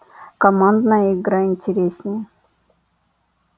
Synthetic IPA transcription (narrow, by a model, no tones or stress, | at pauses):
kɐmand̪nəjəɪɡɾaɪnʲtʲɪɾʲesʲnʲɪjə